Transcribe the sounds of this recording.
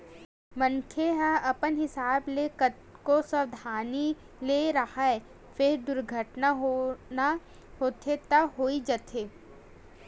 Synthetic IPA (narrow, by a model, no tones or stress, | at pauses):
mənkʰeɦãʔɐpənɦɪsaːblekə | kosəɾd̪ʱaːni | leɾɐhaɛ | fɪɾd̪ʊɾɡʱəʈnaɦona | ɦoːt̪ʰet̪aɦoːid͡ʒɐt̪ʰeː